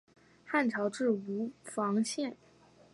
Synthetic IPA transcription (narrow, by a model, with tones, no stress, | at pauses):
xa˥˩nʈ͡ʂʰɑ˧˥ʊʈ͡ʂɻ̩˥˩u˧˥fɑ˧˥ŋɕjɛ˥˩n